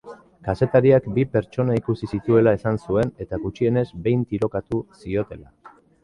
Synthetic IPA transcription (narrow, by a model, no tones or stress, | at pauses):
kase̞t̪aɾiakbipe̞ɾt͡ʃo̞naikusisit̪ue̞laesansue̞ne̞t̪aɡut͡ʃie̞ne̞zbe̞jnt̪iɾo̞kat̪usio̞t̪e̞la̰